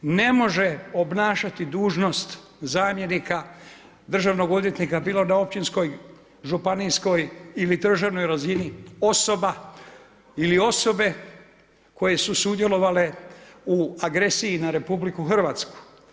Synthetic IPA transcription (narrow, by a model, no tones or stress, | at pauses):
ne̞mo̞ʒe̞o̞bnaːʃat̪id̪uːʒno̞st̪ | zaːmje̞nika | d̪r̩ʒaʋno̞ɡo̞d̪je̞t̪nikabiːlo̞nao̞p̚t͡ɕinsko̞j | ʒupanisko̞jilid̪r̩ʒaʋno̞jɾazinio̞so̞ba | ilio̞so̞be̞ | ko̞je̞susud̪je̞lo̞ʋale̞uaɡɾe̞siinaɾe̞publikuxr̩ʋaːt̪sku̥